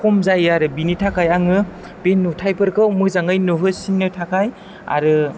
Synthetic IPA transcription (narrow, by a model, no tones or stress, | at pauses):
kʰɔmzajaɾɯbinitʰakʰajaŋɯ | b̥enːutʰajpʰɯɾkʰɯwmɯzaŋɯjnuɦɯsinːɯtʰakʰaj | a̰ɾɯ